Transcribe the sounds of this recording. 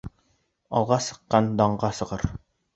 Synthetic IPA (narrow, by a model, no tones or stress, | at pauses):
ɒlˠʁɑsɤ̥̆qːɑnd̪ɑɴʁɑsɤ̆ʁɤɾ